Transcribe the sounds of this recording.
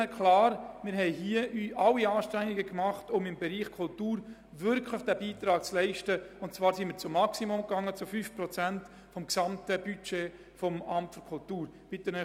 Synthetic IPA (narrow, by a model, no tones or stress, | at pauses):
kʰlɑːɾmɪːɾɦɛɪɦiəʔyːʔɑlːiɑːʃtæŋɪɡəkmɑχtʊmɪmbɛɾiːχkʰʊltuːɾ | vʏɾkʰləχd̥æːbiːt̪ɾɑːk̚t͡slɛɪʃtəʊntt͡svɑːɾsimiːɾt͡sʊmːɑksimʊmkɑŋːət͡sʊfyfprɔt͡sænt | fɔmksɑmtəb̥yt͡ʃeː | fɔmɑmtfyɾkʰʊltuːɾb̥ɪt̪ənə